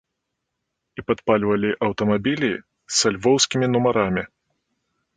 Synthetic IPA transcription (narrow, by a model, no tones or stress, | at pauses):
ipɐt̪palʲvɐlʲiʔɐwt̪ɐmabʲilʲi | sɐlʲvɔwsʲkʲimʲinumɐɾamʲi